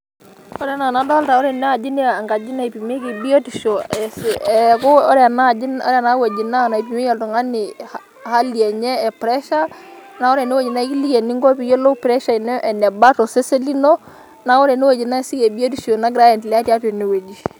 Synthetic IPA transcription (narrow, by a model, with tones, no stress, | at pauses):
ɔ˦ɾɛ˨na˨na˨˦da˦lta˨ɔ˦ɾɛ˨nɛ˦a˨d͡ʒi˦ne˦˨a˨ŋɡa˨d͡ʒi˦na˦i˨pi˨me˦ke˨bi˦o˦ti˨ʃo˨ɛ˨sɛ˨kʊ˦ɔ˦ɾɛ˨na˦˨d͡ʒɪ˦nɔ̰˦ɾɛ˨na˦we˨d͡ʒi˨na˦˨na˨i˨pi˨me˦ja˨lto˨ŋa˦nɪ˨h | ha˦li˨e˨ɲɛː˦˨pɾɛ˦ʃa˦ | na˨ɔ˦ɾe˨ne˦we˨d͡ʒi˨na˦i˦ki˦li˦je˨ni˦ŋɡo˦pi˨jo˦lo˦pɾɛ˦ʃa˨i˨nɔ˦ʔɛ˨nɛ˨ba˦to˨se˦se˦li˦no˦ | na˨˦ɔ˦ɾɛ˨ne˦we˨d͡ʒi˨na˦˨sɪ˦ke˨bi˦o˦t̬i˨ʃo˨na˦ɡɪ˨ɾa˦jɛ˨nti˨la˦tja˦te˨ne˨we˨d͡ʒi˨